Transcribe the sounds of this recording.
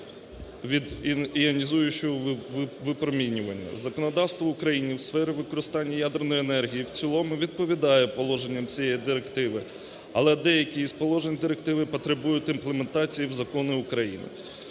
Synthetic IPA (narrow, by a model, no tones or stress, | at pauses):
ʋʲid̪iɐnʲizujʊt͡ʃɔɔʋɪpɾɔmʲinʲʊʋɐnʲːɐ̰zɐkɔnɔd̪ɑwst̪ʋɔʊkɾɐjinʲiwsfɛɾɪʋɪkɔɾɪst̪ɑnʲːɐjad̪ernɔjenɛrɦʲijiwt͡sʲilˠɔmʊʋʲid̪̚pɔʋʲid̪ɑjɛpɔlˠɔʒenʲːɐmt͡sʲijɛjid̪ɪɾekt̪ɪʋɪ | ɐlˠɛd̪ɛjɐkʲijispɔlˠɔʒenʲd̪ɪɾekt̪ɪʋɪpɔt̪ɾebujʊt̪ʲinplˠement̪ɑt͡sʲijiwzɐkɔnɪʊkɾɐjḭnɪ̰